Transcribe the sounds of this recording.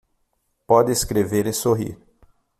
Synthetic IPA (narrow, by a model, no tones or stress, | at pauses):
pɔd̪ɪeskɾeveɾɪsoɦḭɾ